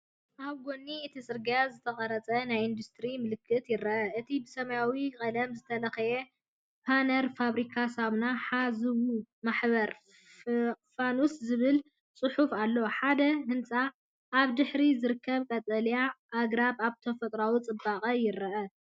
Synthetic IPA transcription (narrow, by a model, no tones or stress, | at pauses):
ʔaβɡo̞nːiɨt̪ʰisʼɨɾɡijazɨt̪ʰɐχʼɐɾɐt͡sʼɐnajind̪ust̪ʰɾimɨlɨkʰːɨt̪jɪɾɐʔɐʔɨt̪ʰibɨsɐmɐjawikʼɐlɐmzɨt̪ʰɐlɐxɐje | pʰanɐɾfaβɾikʰasaβnaħazɨwumaħβɐɾ | fanuszɨβɨl | t͡sʼɨħufalːoħad̪ɐhɨnt͡sʼa | ʔːβd̪ɨħɾizɨɾɨkːɐβkʼɐt̪ʼɐlijaʔːɡɾabaβt̪ʰɐfɐt̪ʼɾawit͡sʼɨbakʼɐjɪɾɐʔɐ